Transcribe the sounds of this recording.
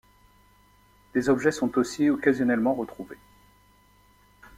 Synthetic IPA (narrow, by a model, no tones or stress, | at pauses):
d̪̥ezɔbʒɛsɔ̃t̪osiɔkazjɔnɛlmɑ̃ʁət̪χuve